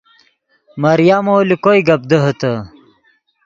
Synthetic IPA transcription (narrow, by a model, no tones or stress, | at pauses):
mɐɾjamoːlikojɡɐb̚d̪əɦət̪ə